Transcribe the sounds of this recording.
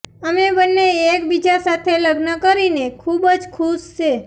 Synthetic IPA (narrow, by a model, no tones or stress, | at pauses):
əmebənːeːkbid͡ʒasat̪ʰeləɡnəkəɾinekʰubəd͡ʒkʰuʃʃe